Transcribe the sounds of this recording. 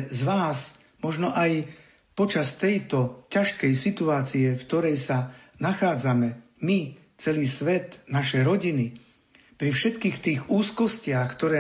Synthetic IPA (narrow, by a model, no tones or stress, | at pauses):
zʋaːs | mɔʒnɔʔaj | pɔt͡ʃast̪ɛjt̪ɔcaʃkɛjsit̪uaːt͡siɛfkt̪ɔɾɛjsa | naxaːd͡zamɛ | mi | t͡sɛliːsʋɛt̪naʃɛjɾɔɟini | pɾifʃɛt̪kiːxt̪iːɣuːskɔscɪaxkt̪ɔɾɛː